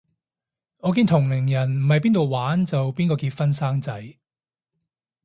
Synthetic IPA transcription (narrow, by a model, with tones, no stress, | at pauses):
ŋɔː˨˧k̬iː˧nt̪ʰʊ˨˩ŋlɪ˨˩ŋjɐ˨˩nm̩˨˩hɐ˨jp̬iː˥nt̪o˨wwaː˨˥nt͡sɐ˨wpiː˥nkɔː˧kiː˧t̚fɐ˥nsaː˥ŋt͡sɐ˨˥j